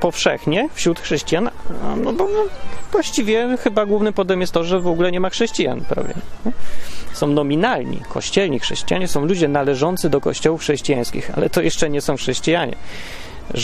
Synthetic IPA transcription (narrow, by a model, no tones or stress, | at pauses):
pɔfʂɛxɲɛfɕɾut̪xʂɛɕt͡ɕijannɔbɔvwaɕt͡ɕivʲjɛxɘbaɡwuvnɘpɔd̪ɛmʲjɛst̪ɔʐɛvɔɡulɛɲɛmaxʂɛɕt͡ɕija̰npɾa̰vʲjɛ̰ɛsɔ̃w̃nɔmʲinalɲḭkʰɔ̰ɕt͡ɕɛlɲixʂɛɕt͡ɕijaɲɛsɔ̃w̃lud͡ʑɛnalɛʐɔnt̪sɘd̪ɔkɔ̰ɕt͡ɕɔwufxʂɛɕt͡ɕijaj̃skʲixa̰lɛ̰t̪ɔjɛʂt͡ʂɛɲɛsɔ̃w̃xʂɛɕt͡ɕijaɲɛ̰